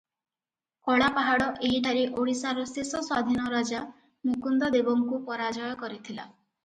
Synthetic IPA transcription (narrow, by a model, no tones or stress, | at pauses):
kɔɽapaɦaɽɔʔeɦiʈʰaɾiʔoɽisaɾɔsesɔswad̪ʱinɔɾad͡ʒa | mukund̪ɔd̪ebɔŋkupɔɾad͡ʒɔjɔkɔɾit̪ʰila̰